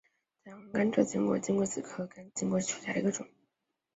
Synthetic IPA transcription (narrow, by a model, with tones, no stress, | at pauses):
t͡swŋka˥nʈ͡ʂɤ˥˩t͡ɕi˧˥ŋkwɔ̰˧˥˩t͡ɕi˥ŋkwɔ˥˩t͡sɹ̩˨˩kʰɤ˥kə˥nt͡ɕi˥ŋkwɔ˥˩ʈ͡ʂʰu̥˨˩ɕja˥˩ə̰˧˥ɡə˧ʈ͡ʂʊ̰˨˩˦ŋ